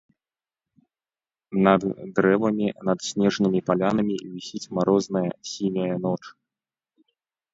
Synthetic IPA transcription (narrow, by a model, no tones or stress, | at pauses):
nɐd̪ːɾɛvɐmʲinɐt̪sʲnʲɛʐnɨmʲipalʲanɐmʲivʲisʲit͡sʲmaɾɔznɐjɐsʲimʲɐjɐn̪ɔt͡ʂ